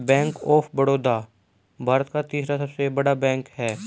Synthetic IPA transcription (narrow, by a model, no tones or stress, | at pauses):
bɛ̃ːŋkɔːpʰbəɽoːd̪aː | bʱaːɾət̪kat̪iːsɾasɐbsebɐɽabɛ̃ːŋkhɛː